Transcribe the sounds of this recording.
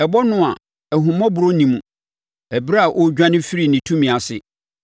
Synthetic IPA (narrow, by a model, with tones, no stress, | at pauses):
ɛ˨bɔ˦nʊ̃˦a˨ | ɛ˨ɦũ˨mɔ̃˦bʊ˨ɾo˦nĩ˨mũ˨ | æ˨bɾa˦˨ʔɔ˦d͡ʑᶣã˦nɪ̃˦fi˦ɾi˨nĩ˨tʰũ˦mĩ˨a˨sɪ̰˨